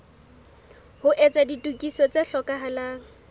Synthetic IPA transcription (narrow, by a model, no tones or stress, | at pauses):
hʊʔɛt͡saditʼukʼisɔt͡seɬɔkʼaɦalaːŋ̩